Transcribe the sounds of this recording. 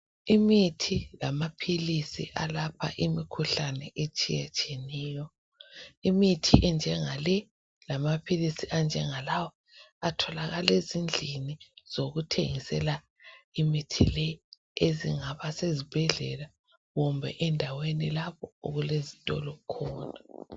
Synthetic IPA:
imitʰilamapʰilisḭʔalapʰa̰ʔimikʰuɬanɛʔet͡ʃʼḭjɛt͡ʃʼeniːjɔ | imitʰiʔɛnd͡ʒʱɛŋalɛ | lamapʰilisiʔand͡ʒʱɛŋalawɔ | atʰɔlaɣalezind͡ɮʱiniz̥oɣutʰḛŋisɛla | imitʰḭlɛ | ezḭŋaβasezib̥ʱɛɮɛ̰la | ɣumbʱɛ̰ʔɛndʱawenilaβɔo̰ɣulezitʼɔ̰lɔkʰɔːna

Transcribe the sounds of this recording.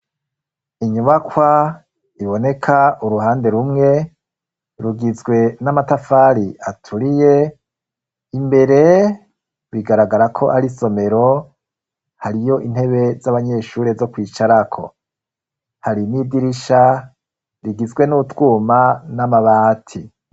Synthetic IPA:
iɲuβakʰwa | iβo̞ne̞kʰauɾuɦaːnde̞ɾumŋe̞ | ɾuɡizɡwe̞namatafaɾiʔatʰuɾije̞ | imbe̞ɾe̞ | wiɡaɾaɡaɾakʰo̞ʔaɾiso̞me̞ɾo̞ | haɾijo̞ʔin̥he̞βe̞zaβaɲe̞ːʃuːɾe̞zo̞kwiːt͡ʃaɾakʰo̞̰ | haɾinidiɾiʃa | ɾiɡizɡwe̞nutwuːmanamaβaːtʰi

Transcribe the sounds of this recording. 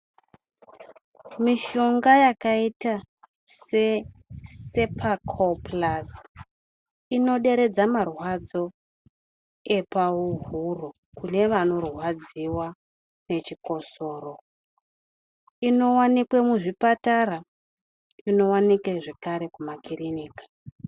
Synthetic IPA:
miʃo̞ŋɡajakaita | se̞ | se̞pʰakʰoplas | ino̞ɗe̞ɾe̞d͡zamarwad͡zo̞ | e̞pauɦuro | kune̞ʋano̞rwad͡ziwa | ne̞t͡ʃiko̞so̞ːro̞ | ino̞wanikwemuʐipatara | ino̞wanikeʐe̞kaɾe̞kumakiriniːkḁ

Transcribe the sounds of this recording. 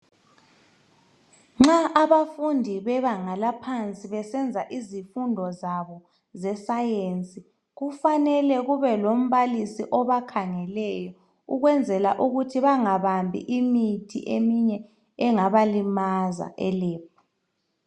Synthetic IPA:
ŋ͡ǁaʔaβafundʱiβɛβaŋalapʰant͡sʼiβɛsɛnd͡zʱaʔizifundʱɔzaβɔ | zɛsajent͡sʼi | ɣufanɛlɛɣuβɛlom̩βalisiʔɔβakʰaŋɛlɛjɔ | uɣwɛnd͡zʱɛlaʔuɣutʰiβaŋaβambʱḭʔimitʰḭʔemiɲɛ | ɛŋaβalimaza̰ʔɛleːp̚ʰɔ̥

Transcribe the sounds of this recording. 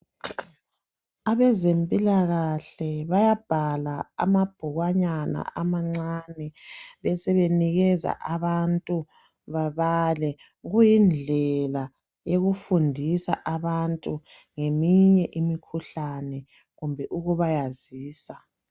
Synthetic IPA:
aβɛzempʼilaɣaɬɛβajab̥ʱalaa̰mab̥ʱuɣwaɲana̰ʔamaŋ͡ǀanɛβɛsɛβeniɣɛza̰ʔaβantʼu | βaβalɛ | ɣujind͡ɮʱɛla | jeɣufundʱisa̰ʔaβantʼu | ŋemiɲɛʔimikʰuɬanɛ | ɣumbʱɛʔuɣuβajaziːsa

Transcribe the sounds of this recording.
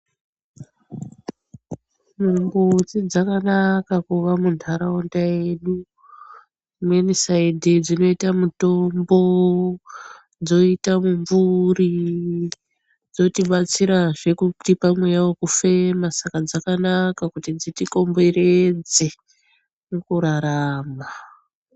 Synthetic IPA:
mumbut͡sid͡zakanakakuʋamundʰʱaɾaondajeɗu | mwenisaidʱid͡zino̞itamuto̞mbo̞ | d͡zo̞itamuɱvuri | d͡zo̞tiɓat͡siɾaʐe̞kutipamwe̞jawokufe̞masakad͡zakanakakutid͡zitiko̞mbe̞ɾed͡ze̞ | nukuɾaɾaːma

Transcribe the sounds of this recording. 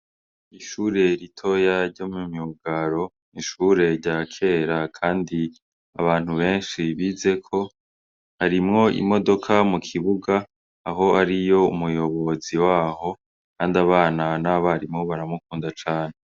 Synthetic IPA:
iʃuːɾe̞ɾitʰo̞jaɾɟo̞mumiuɡaɾo̞ | niʃuːɾe̞ɾɟakʰe̞ːɾakʰaːndi | a̰βaːn̥huβe̞ːnʃiβize̞kʰo̞ | haɾimŋo̞ḭmo̞do̞kʰamukʰiβuɡaː | ɦo̞aɾijo̞umujo̞βo̞ziwaːho̞ | kaːndaβaːnanaβaɾimŋo̞βaɾamukuːndat͡ʃaːne

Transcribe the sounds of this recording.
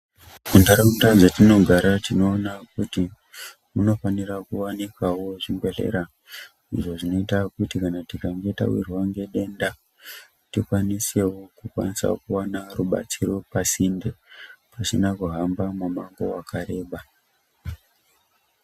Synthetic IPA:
mundaɾaundaʐatino̞ɡʱaɾatino̞ːnakuti | muno̞fanirakuwanikawo̞ʐimɡwe̞ɬḛɾa | ḭʐo̞ʐino̞itakutikanatikaŋɡe̞ta̰wḭrwaŋɡe̞ɗe̞nda | tikwanise̞wo̞kukwa̰nisa̰kuwanaruɓa̰t͡siɾo̞pasindepasinakuɦambamumaŋɡo̞wakʰaɾe̞ːɓa

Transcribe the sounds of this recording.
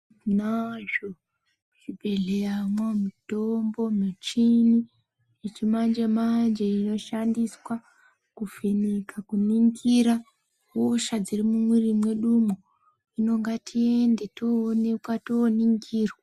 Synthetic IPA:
naʒo | ʐ̥ibʱe̞ɮejamwamutombo̞met͡ʃini | et͡ʃimand͡ʒemand͡ʒeino̞ʃandiswa | kufenikʰakuniŋɡiɾa | oʃad͡zirimumwirimwe̞ɗumo | ino̞ŋɡatʰie̞nde̞toːnekwatoːniŋɡiːrwa

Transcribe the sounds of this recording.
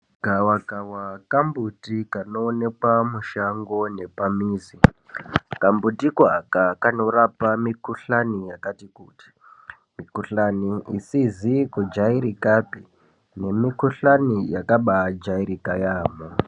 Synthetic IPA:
ɡ̥ʱawaɡʱawakambutikano̞ːne̞kwamuʃaŋɡo̞ne̞pamiːzi | kambutikwakakano̞ɾapamikuɬanijakatikuːti̥ | mikuɬaniḭsizikud͡ʒaiɾikapi | ne̞mikuɬanijakaɓad͡ʒaiɾikajaːmo

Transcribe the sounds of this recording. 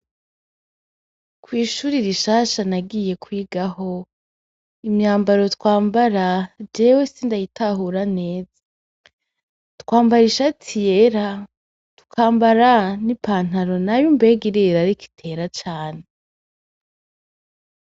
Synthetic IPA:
kwiːʃuːɾiɾiʃaːʃanaɡije̞kwiːɡaho̞ | imɲaːmbaɾo̞tkwaːmbaɾad͡ʒe̞ːwesiːndajitʰaɦuɾane̞ːz̥a | tkwaːmbaɾiʃatʰijeɾa | tu̥kʰaːmbaɾanipaːn̥haɾo̞najumbe̞ɡiɾiɾaɾiki̥tʰe̞ːɾat͡ʃaːne

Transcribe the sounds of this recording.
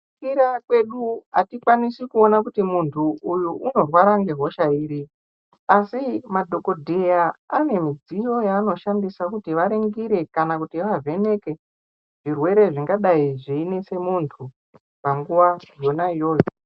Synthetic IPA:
kiɾakwe̞ɗuɦa̰tikwanisikuo̞nakutimuntʰuujuʔːno̞rwaɾaŋɡeɦo̞ʃaiːɾi | asimadʱo̞ko̞dʱejaane̞mid͡zijo̞jaːno̞ʃandisakutiʋaɾeŋɡiɾe̞kanakutiʋavʱe̞ne̞ke̞ | ʐ̥irwe̞ɾe̞ʐiŋɡaɗaiʐiine̞se̞muntʰu | paŋɡuʋajo̞naijo̞ːjo

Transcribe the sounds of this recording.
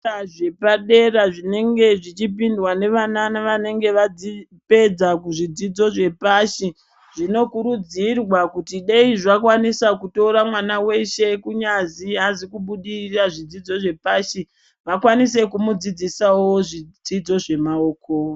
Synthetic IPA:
aʐe̞paɗe̞raʐine̞ŋɡe̞ʐit͡ʃip̬indwane̞ʋananaʋane̞ŋɡe̞ʋad͡zi | pe̞d͡zakuʐid͡zid͡zo̞ʐe̞paʃi | ʐ̥ino̞kuɾud͡zirwakutiɗeiʐakwanisakuto̞ɾamwanawe̞ʃe̞kuɲaziɦazikuɓuɗiiraʐid͡zid͡zo̞ʐe̞paʃi | ʋakwanis̬e̞kumud͡zid͡zisawo̞ʐid͡zid͡zo̞ʐe̞mao̞ːko

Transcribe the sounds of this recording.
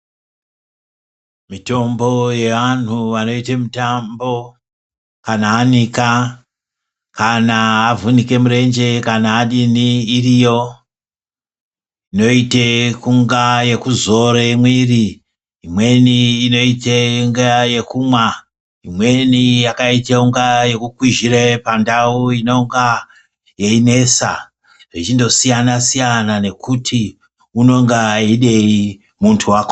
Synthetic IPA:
mito̞mbo̞je̞ʋan̤uʋano̞itemutambo̞ | kanaːnika | kanaavunike̞muɾe̞nd͡ʒe̞kanaːɗiniːrijo̞ | ino̞itekuŋɡaje̞kuzo̞ɾemwiri | imwe̞niːno̞iteŋɡaje̞kuːmwa | imwe̞nijakaiteuŋɡaje̞kukwiʒiɾepandauino̞ŋɡa | jeine̞sa̰ | rit͡ʃindo̞sijanasijanane̞kutʰi | uno̞ŋɡaiɗe̞i | muntʰuwako

